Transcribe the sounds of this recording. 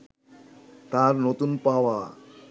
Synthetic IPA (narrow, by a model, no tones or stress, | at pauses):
t̪aɾnot̪unpaʋa